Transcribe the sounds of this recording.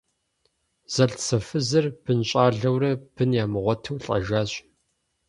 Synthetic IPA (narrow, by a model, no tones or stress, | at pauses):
z̥ɐɬt͡sʰɐfɨzɐrb̥ɨnɕʼaːɮɐwrɐb̥ɨnjaːmɨʁʷɔtʰɐwɬʼɐ̰ʒaːɕʼ